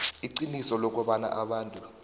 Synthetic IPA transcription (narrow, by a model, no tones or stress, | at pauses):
iǃinisɔlɔk̬ʼɔɓana̰ʔaɓaːntʼu